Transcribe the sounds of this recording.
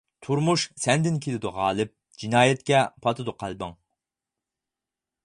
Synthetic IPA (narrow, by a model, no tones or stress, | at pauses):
t̪ʰuɾmuʃsɛnd̪ɪnkʲʰelɪd̪uʁɑːlˠɨp̚ | d͡ʒinɑːjɛt̪̚kʲɛpʰɑt̪ʰɨd̪uqʰɑlˠbɨ̰ŋ